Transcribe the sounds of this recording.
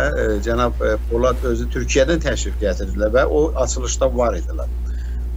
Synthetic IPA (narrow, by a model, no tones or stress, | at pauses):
d͡ʒænɑb̚bolˠɑt̪ø̞zyt̪ʰyɾcʰijæd̪ænt̪ʰæʃɾifɟæt̪ʰiɾd̪ilæɾvæʔoɑt͡ʃʰɯlˠɯʃt̪ɑvɑɾid̪ilɑ̰ɾ